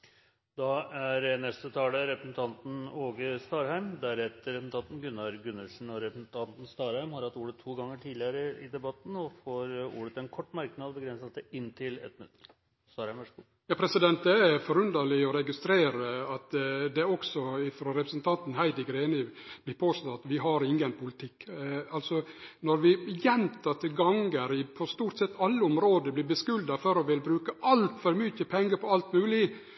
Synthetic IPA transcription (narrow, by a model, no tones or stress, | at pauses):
d̪̥ɑæɾnɛst̪ət̪ʰɑːləɾɛpɾəsn̩t̪ʰɑnt̪n̩oːɡəst̪ɑːɾhæɪmd̪æɾɛt̪ːəɾɛsn̩t̪ʰɑnt̪n̩ɡʉnːɑɾɡʉnːəʂɳ̩ɔɾɛpɾəsn̩t̪ʰɑnt̪n̩st̪ɑːɾhæɪmhɑɾhɑt̪ːuːɽət̪ʰːuːɡɑŋːəʈʰiːd̪lɪəɾəɪd̪ɛbɑt̪n̩ɔfoːɾṵːɽət̪ɛnkʰɔʈːmæɾknɑd̪bəɡɾɛnsəlsəɪnːt̪ʰɪlɛ̰t̪mt̪ː | st̪ɑːɾhæɪmʋəʂɡu | jɑːpʰɾɛsɪd̪ɛnt̪̚d̪ɛæfɔɾʉnd̪əlɪɔɾɛɡɪst̪ɾeːɾəɑt̪d̪ɛɔksɔɪfɾoːɾɛpɾəsn̩t̪ʰɑnt̪n̩hæɪd̪ɪɡɾeːnəb̥lɪɾpʰoːst̪ɔt̪ːɑt̪ʋɪɦɑɾɪŋɡənpʰʊlɪt̪ʰɪkːɑlsɔnɔɾʋɪjɛnt̪ʰɑt̪ʰɪlɡɑŋɡəɾɪpʰɔst̪uːʈ̪sɛt̪ːɑlːəʊmɾoːd̪əblɪɾbəskʉld̪ɑfœɾɔʋɪlbɾʉːkəʔɑlt̪fɔɾmʏçəpʰɛŋɡəpʰɔɑlt̪mʉːlɪ